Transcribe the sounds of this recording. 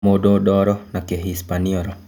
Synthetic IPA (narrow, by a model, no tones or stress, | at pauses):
ododɔɾɔnakeɦispaniɔɾɔ